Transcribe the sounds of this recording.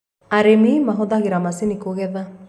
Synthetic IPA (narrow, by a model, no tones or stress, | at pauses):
aɾemimaɦɔðaɣeɾamasinikoɣɛða